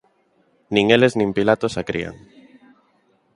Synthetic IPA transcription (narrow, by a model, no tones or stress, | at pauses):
nĩŋeleznĩmpilat̪osakɾḭa̰ŋ